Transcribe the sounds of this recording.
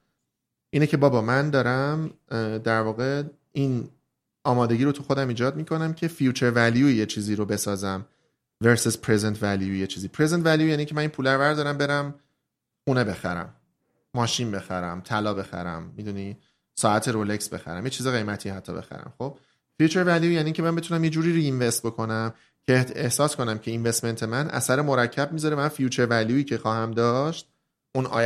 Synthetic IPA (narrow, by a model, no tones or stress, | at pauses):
ʔiːnecʰe̞bɒːbɒːmænd̪ɒːɾæmd̪æɾvɒːɣe̞ | in | ɒːmɒːd̪e̞ɡɟiːɾot̪ʰuxo̞d̪æmiːd͡ʒɒːd̪̚miːkʰo̞næmcʰe̞fijut͡ʃʰe̞ɾvæljujet͡ʃʰiːziːɾobe̞sɒːzæm | veɾsizpʰɾezent̪ʰvæljujet͡ʃʰiːziːpʰɾezent̪væljujæniːŋcʰemæniːnpʰuːlæɾvæɾd̪ɒːɾæmbe̞ɾæm | χuːne̞be̞xæ̰ɾæ̰mː | ɒːʃinbe̞xæɾæ̰mt̪ʰælɒːbe̞xæ̰ɾæ̰mːid̪uni | sɒːæt̪ʰe̞ɾoleksbe̞̰xæ̰ɾæ̰mjet͡ʃʰizeɣe̞jmæt̪ʰihæt̪ʰːɒ̰be̞̰xæ̰ɾæ̰mxob̥̚ | fijut͡ʃʰeɾvæljujæniːɲcʰemæmbet̪ʰunæmje̞d͡ʒuːɾiːɾiːnvest̪̚bo̞kʰo̞næm | cʰeehsɒːsko̞næmcʰe̞invest̪me̞nt̪ʰe̞mænʔæ̰sæɾemo̞ɾæcʰːæb̚miːzɒɾeæmænfijuːt͡ʃʰeɾvæljuiːcʰe̞xɒːhæmd̪ɒːʃt̪̚ | ʔunɒ̰ː